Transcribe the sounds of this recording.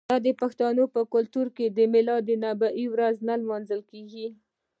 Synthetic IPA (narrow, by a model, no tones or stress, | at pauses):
d̪ɑd̪əpaxt̪ɑnopəkʊlt̪uɾked̪əmɪlɑd̪ənabaʔiwɾaznalmɑnzəlkeɡi